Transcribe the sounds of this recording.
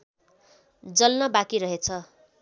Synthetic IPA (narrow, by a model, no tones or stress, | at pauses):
d͡zʌlnʌbakiɾʌɦet͡sʰʌ